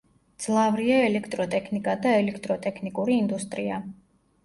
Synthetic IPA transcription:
d̪z̥lˠavɾiaɛlɛkʰt̪ʼɾɔt̪ʼɛkʰnikʼad̪aɛlɛkʰt̪ʼɾɔt̪ʼɛkʰnikʼuɾiːnd̪ust̪ʼɾia

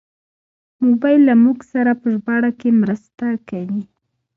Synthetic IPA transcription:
mobajlːamuɡsaɾapəʒbɑɽakemɾəst̪akawi

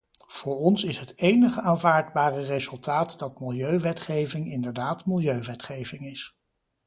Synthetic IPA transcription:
v̥ʊːɹɔnsɪsɦətejnəχəaːnvaːɹdbaːrərezɵlˠtaːtdɑt̚mɪlˠjøɥʋɛtχejvɪŋɪndəɹdaːtmɪlˠjøɥʋɛtχejvɪŋɪs

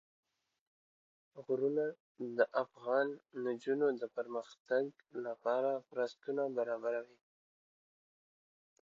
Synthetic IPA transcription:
ɣɾuna | d̪əʔafɣɑnd͡ʒunod̪əpəɾməxt̪aɡ | lapɑɾamɾast̪unabaɾɑbaɾawi

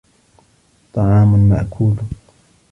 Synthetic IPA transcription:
t̪ˤɑʕɑːmʊnma̰ʔkʰuːl

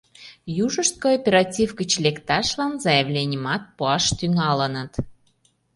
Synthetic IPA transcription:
juʒəʃt̪̚koopʲeɾɑtʲivɡət͡ɕlʲekt̪ɑʃlɑnzɑjəvlʲenʲəmɑt̪̚puɑʃt̪yŋɑlənət̪

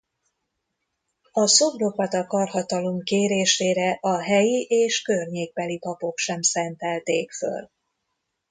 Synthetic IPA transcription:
ɒsobro̞kɒt̪ɒkɒrhɒt̪ɒlo̞mkeːɾeːʃeːɾɛʔɒɦɛjiʔeːʃkørɲeːɡ̚bɛlipɒpo̞kʃɛmsɛnt̪ɛlt̪eːkfø̰l

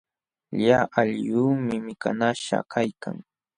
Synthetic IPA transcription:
ʎaʔaʎjuːmɪmɪka̰naʃa̰kʰajkʰa̰ŋ

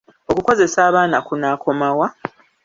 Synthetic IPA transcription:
o̞kuko̞ze̞saːβaːnakunaːkʰo̞mawa

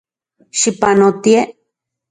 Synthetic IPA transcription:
ʃipanot̪ie

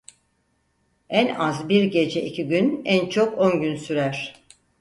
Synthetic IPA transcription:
ænazbiɾɟe̞d͡ʒɛʔicʰiɟynænt͡ʃʰo̞ko̞nɟynsyɾæɾ̥

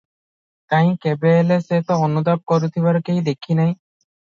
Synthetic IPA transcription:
kãj̃kɛbɛlɛsɛt̪ɔɔnud̪ap̚kɔɾut̪ʰibaɾkejd̪ekʰinaj

